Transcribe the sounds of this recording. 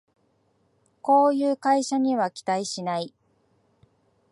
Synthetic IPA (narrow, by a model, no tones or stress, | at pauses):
ko̞ːjɯːkaiɕaɲ̟iβakʲi̥t̪aiɕinai